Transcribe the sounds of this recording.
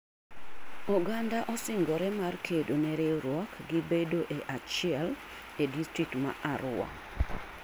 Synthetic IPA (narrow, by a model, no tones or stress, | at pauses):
ɔɡandaʔɔsɪŋɡɔɾɛmarkʰedonɛɾeɾwɔkɡɪbedoʔeʔat͡ʃɪɛl | edistɾik̚tma̰ʔaɾʊwa̰